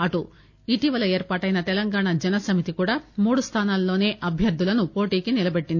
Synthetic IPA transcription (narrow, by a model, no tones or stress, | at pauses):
ɐʈu | iʈiːʋɐlɐe̞ːɾpaːʈɐjnɐt̪ɛlɐŋɡaːɳad͡ʒɛnɐsɐmit̪ikuːɽaːmuːɽust̪ʰaːnaːlːo̞ːne̞ːʔɐbʱjɐɾd̪ʱːulɐnupo̞ːʈiːkinilɐbeʈːind̪i